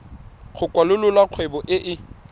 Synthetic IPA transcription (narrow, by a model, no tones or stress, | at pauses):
χʰʊkʼwalʊlʊlwaq͡χʰwebɔʔɪʔɪ